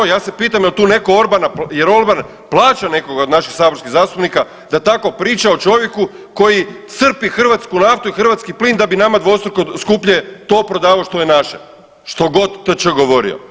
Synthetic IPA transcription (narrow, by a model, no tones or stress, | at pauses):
jaːse̞piːt̪amjelt̪uːne̞ko̞o̞ɾbanaje̞ɾo̞ɾban | plˠaːt͡ʃane̞ko̞ɡaod̪naʃixsaːboɾskizaːst̪upnika | d̪at̪ako̞pɾiːt͡ʃao̞t͡ʃo̞ʋje̞ku | ko̞jit̪sr̩pixr̩ʋat̪skunaft̪uixr̩ʋat̪skipliːnd̪abinamad̪ʋoost̪ɾokoskupʎe̞t̪o̞ːpɾo̞d̪aːʋaoʃt̪ojenaʃe | ʃt̪o̞ɡo̞d̪ːt͡ʃoɡo̞ʋo̞ɾḭo̞̰